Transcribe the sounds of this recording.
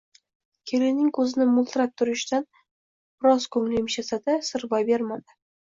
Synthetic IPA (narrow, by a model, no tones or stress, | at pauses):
kʲʰelɪnɪŋkʰɵzɪnɪmʊlˠt̪ʰɾap̚t̪ʰʊɾɪʃt̪an | b̥ɪɾɒzkʰɵŋlɪmʃasad̪asɪɾbajbeɾmad̪ɪ